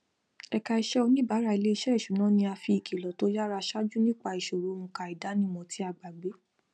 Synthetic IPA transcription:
ɛ˧˨ka˧i˧ʃɛ˦o˧nĩ˦ba˨˦ɾa˧˨i˨˧le˦i˧ʃɛ˦˨ʃu˨˦nã˨˦nĩ˧a˧fi˧i˨ki˨lɔ˨˦to˦ja˦ɾa˧ʃa˦d͡ʒu˦nĩ˦k͡pa˧i˨ʃo˨ɾo˨˦˧mũ˧ka˧˨i˨da˨˦nĩ˦mɔ̃˧tʰi˨˦a˧˨ɡ͡ba˨ɡ͡be˨˦

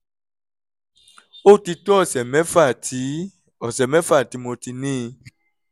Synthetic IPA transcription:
o˦˨ti˧tɔ˦ɔ˦˨sɛ˨mɛ̃˦fa˦˨ti˨˦ | ɔ˨sɛ˨mɛ̃˨˦fa˦˨ti˨˧˦mo˧ti˧nĩ˦˧

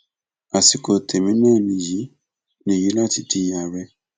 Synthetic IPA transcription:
a˨si˨˦kɔ˨tʰe˨mĩ˦nɛ˦˨ni˨ji˨˦ | ni˨ji˦la˦˨ti˨ti˦ja˨wɛ˦

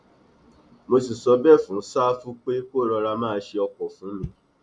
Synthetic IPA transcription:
mo˧si˨sɔ˧bɛ˦˨fũ˨˦saː˦fũ˦k͡pe˦ko˦˨ɾɔ˧ɾa˧mãː˦˨˧ʃe˧ɔ˧kɔ˨fũ˨˦mĩ˧˦

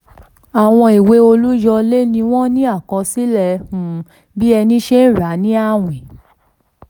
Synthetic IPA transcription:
a˨w̃ɔ̃˧i˨we˧˦o˧lu˦d͡ʒɔ˧le˦nĩ˧w̃ɔ̃˦nĩ˦a˦˨kɔ̃˧si˦lɛ˦˨˧hũ˧ | bi˦ɛ˧nĩ˦ʃe˦n̩˦˨ɾa˨˦nĩ˦a˦˨w̃ĩ˨

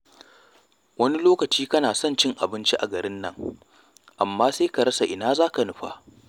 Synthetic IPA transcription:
wɐ˦ni˦loː˦kɐ˨t͡ʃiː˦kɐ˦naː˨sɔ˦nt͡ʃɪ˦ŋʔa˨bɪ˦nt͡ʃi˦ʔa˨ɡɐ˨ɾɪ˦nːɐ̰˦ŋ | ʔa˨mːaː˦seː˦ka˨ɽɐ˦sa˨ʔɪ˨naː˦zaː˦ka˨nʊ˦ɸa̰˦ʔ

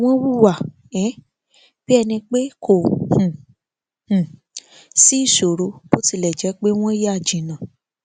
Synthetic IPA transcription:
w̃ɔ̃˦wu˦˨wa˦˨ | ɛ˨˦ | b̥i˦ɛ˧nĩ˧k͡pe˦kʰo˦˨hũ˨ | hũ˨ | si˨˦i˦˨ʃo˨ɾo˧bo˦ti˧˨lɛ˨d͡ʒɛ˨˦k͡pe˦w̃ɔ̃˦je˦a˦˨d͡ʒĩ˨nã˨

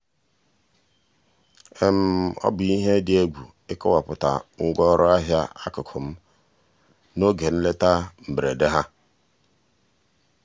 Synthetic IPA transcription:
e˦m̩˦ɔ̰˦bʊ˨i˦ɦe˦dɪ˨e˦ɡʷu˨ | ɪ˦kɔ˦wa˨pʊ˨ta̰˨ŋ̩˦ɡʷɔ˦ɾʊ˦a˦ɦja˦a˦kʊ˨kʰo˨m̩˦ | no˦ɡe˨n̩˦le˦ta˦m̩˨bɾe˨de˦ɦa˦

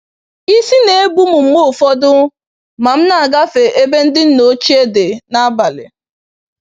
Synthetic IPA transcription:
i˦si˦ne˨e˦bu˦mʊ˨m̩˨mo˦˨fɔ˦dʊ˦ | ma˨m̩˦na˨a˨ɡa˦fe˨ʔe˦be˦n̩˦dɪ˦n̩˦no˦t͡ʃi˦e˦de˨na˦ba˨lɪ̰˨

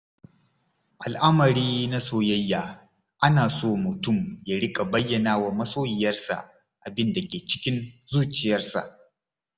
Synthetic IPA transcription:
ʔa˨lʔa˦mɐ˨ɾiː˦na˦soː˦˨jɐ˦jːaː˨ | ʔa˦naː˨soː˦mʊ˨tʊ˦˨mja˦ɽɪ˦kʼa˨bɐ˦jːɐ˨naː˦waː˨mɐ˦soː˦jɪ˨jɐ˦rsa̰˨ʔ | ʔa˨bɪ˦nda˨kʲeː˨t͡ʃɪ̥˦kʲɪ˦nzuː˦t͡ʃɪ˨jɐ˦rsa̰˨ʔ

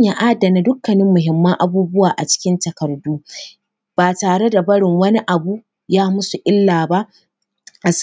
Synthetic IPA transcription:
a˨ʔa˦dɐ˨na˨dʊ˦kːɐ˨nɪ˦mːʊ˨ɦɪ˨mːɐ˦ŋʔa˦buː˦bʊ˦waː˨ʔa̰˨t͡ʃɪ̥˦kʲɪ˦ntɐ˨kɐ˨rduː˦ | b̥aː˨taː˨ɽe˦da˨bɐ˦ɽɪ˨ŋwɐ˦ni˦ʔa˨bu˦ | jaː˦mʊ˦su˨ʔɪ˦lːaː˨ba˦ʔ | ʔa˨s

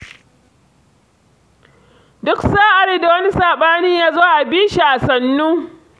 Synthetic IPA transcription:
dʊ˦ksaː˦ʔa˨ɾi˦da˨wɐ˦ni˦saː˨ɓaː˦niː˦jaː˦zoː˦ʔa˨biː˦ʃi˨ʔa˨sɐ˨nːuː˦

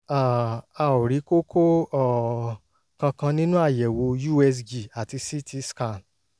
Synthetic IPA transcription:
a˨a˧˨o˨ɾi˨˦ko˦kʰo˦ɔ˦˨ | kã˧kã˧nĩ˦nũ˦a˦˨jɛ˨wo˧ju˦˨ɛ˧s̬d͡ʒi˨a˨ti˧si˦tʰi˦ska˦˨n

